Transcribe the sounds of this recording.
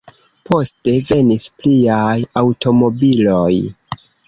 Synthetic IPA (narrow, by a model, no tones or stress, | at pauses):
po̞ste̞ve̞nispliajawtʰo̞mo̞bilo̞j